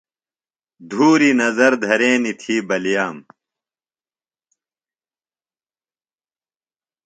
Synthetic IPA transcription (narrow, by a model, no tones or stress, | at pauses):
d̪ʱuːɾinɐzɐɾd̪ʱɐɾeːnit̪ʰiːbɐljaːm